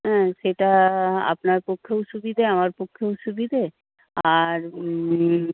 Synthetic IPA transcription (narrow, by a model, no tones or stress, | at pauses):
ɦɛ̃ʃeʈaa̰pnaɾpokʰːewʃubid̪ʱeamaɾpokʰːowʃubid̪ʱe | aɾ